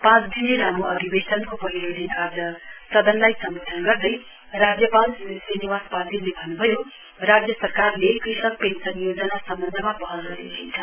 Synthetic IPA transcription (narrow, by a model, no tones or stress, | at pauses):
pãt͡sd̪ʱineɾamuʌd̪ʱibesʌnkopʌɦiɾoɽinad͡z̪ʌsʌd̪ʌnlajsʌmbod̪ʱʌnɡʌrd̪ʌj | rad͡zjʌpãnt͡sisriniwaspad̪ʱinlebʱʌnːubʱʌjo | rad͡zjʌsʌrkarlekrisʌk̚pensʌnjod͡zʌnasʌmbʌnd̪ʱʌmabʌɦʌnrʌɾḛint͡sʰʌ